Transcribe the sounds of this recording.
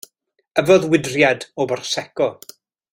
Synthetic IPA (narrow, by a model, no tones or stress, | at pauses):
əvɔðwɪdrjadɔbɔrsɛkɔ